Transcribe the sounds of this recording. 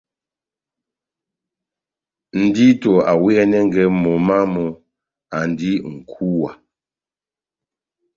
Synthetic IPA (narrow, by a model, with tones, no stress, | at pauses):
n̩˨di˦tɔ˨a˨wɛ˦nɛ˦ŋ˦ɡɛ˦mɔ˨ma˦mɔ˨ | a˨n˨di˦ŋ̩˨kʰu˦wa˨